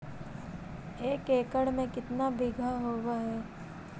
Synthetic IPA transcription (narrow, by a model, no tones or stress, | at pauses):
eːkeːkəɽmẽkɪt̪nabɪɡʱaɦoːwaɦɛː